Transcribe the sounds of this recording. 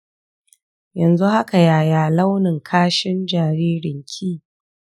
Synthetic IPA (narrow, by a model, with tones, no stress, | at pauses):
jɐ˨nzu˦ha˦ka˨jaː˨jaː˨la˦wnɪ˨ŋkʰaː˦ʃɪ˦nd͡ʒaː˨ɾiː˦ɾɪ˨ŋkʲʰiː˦˨